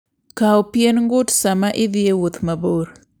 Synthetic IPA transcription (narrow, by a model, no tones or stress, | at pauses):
kaɔpjenŋɡʊtsamaʔɪd̪ɪewot̪maboɾ